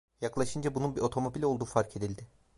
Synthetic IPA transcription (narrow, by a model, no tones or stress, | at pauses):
jaklˠaʃɯnd͡ʒabununbiʔo̞t̪ʰo̞mo̞bilʲo̞lˠd̪uːfaɾkʰe̞d̪ilʲd̪ɪ